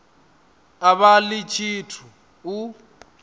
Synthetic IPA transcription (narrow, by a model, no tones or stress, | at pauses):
aβalit͡ʃʰʼitʰu | u